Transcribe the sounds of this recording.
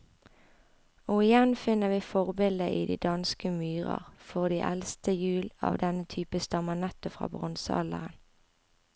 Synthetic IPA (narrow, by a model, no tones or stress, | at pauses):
oːɪjɛnfɪnəʋiːfɔʁbɪld̪əʔḭːd̪ḭːd̪ɑnskəmyːʁɑ̰ʁfɔʁd̪iːʔɛlst̪ʰəjʉːlɑ̰ːʋd̪ɛnət̪ʰyːpəst̪ɑmənɛt̪əfʁɑ̰ːbʁʊnsəɑ̰lə̰ʁən